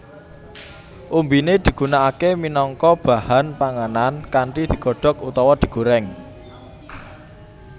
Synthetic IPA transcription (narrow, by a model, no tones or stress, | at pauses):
ʔumbined̪̥i̤ɡ̥unaakeminɔŋkɔb̥a̤hanpaŋanankaɳʈid̪̥i̤ɡ̥ɔ̤ɖ̥ɔ̤kut̪ɔwɔd̪̥i̤ɡ̥o̤ɾɛŋ